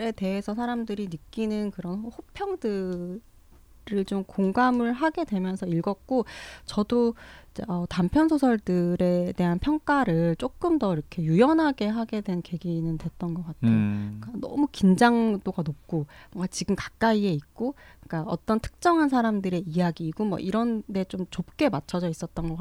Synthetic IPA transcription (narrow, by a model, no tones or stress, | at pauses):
ɾe̞te̞ɦe̞sʰʌsʰaɾamdɯɾinɯkk͈inɯnkɯɾʌnhopʰjʌŋdɯ | ɾɯɭt͡ɕomkoŋɡamɯɭɦaɡe̞dwe̞mjʌnsʰʌiɭɡʌk̚k͈ot͡ɕʌdoid͡ʑḛʌtampʰjʌnsʰosʰʌɭdɯɾe̞te̞ɦanpʰjʌŋk͈aɾɯɭt͡ɕ͈ok͈ɯmdʌiɾʌkʰe̞jujʌnɦaɡe̞ɦaɡe̞dwe̞nke̞ɡinɯntwe̞t̚t͈ʌnɡʌk͈atʰejok͈anʌ̰mukind͡ʑaŋdoɡanop̚k͈omʌŋɡat͡ɕiɡɯmkḁk̚k͈aie̞ik̚k͈ok͈aʌt͈ʌntʰɯ̥k̚t͡ɕ͈ʌŋɦans̬ʰaɾamdɯɾe̞ijaɡiːɡomwʌ̰ʔiɾʌnde̞t͡ɕomt͡ɕop̚k͈e̞mat͡ɕʰʌd͡ʑʌis͈ʌt̚t͈ʌnɡʌk͈a